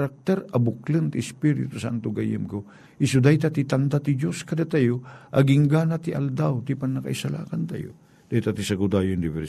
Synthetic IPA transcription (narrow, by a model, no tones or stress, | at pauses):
ɾak̚t̪ɛɾɐbʊklɨnt̪ɪɪspiɾɪ̰t̪ʊsa̰nt̪oɡajɨmko | ʔɪsʊd̪ajt̪at̪it̪ɐnd̪at̪id͡ʒoskɐd̪at̪ajoʔɐɡɪŋɡanat̪ɪʔɐld̪awt̪ɪpɐnːɐka̰ʔisɐla̰ːkɐnt̪a̰jo̰ | d̪̥ajt̪at̪isɐɡʊd̪ajond̪ɪvɛɾ